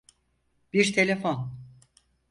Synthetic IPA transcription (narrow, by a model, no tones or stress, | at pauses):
b̥iɾt̪ʰe̞lʲefon